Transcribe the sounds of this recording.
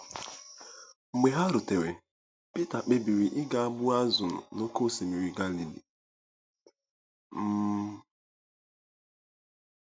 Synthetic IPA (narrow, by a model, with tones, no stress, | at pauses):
ŋ͡m̩˨ɡ͡be˨ɦa˦ɾʊ˨te˨we˨ | pi˦ta˨k͡pe˨bi˨ɾi˨ʔɪ˦ɡa˨a˦bʊ˦a˦zʊ˨n̩˨no˦ko˦˨si˨mi˨ɾi˨ɡa˦li˨lḭ˨ | m̩˦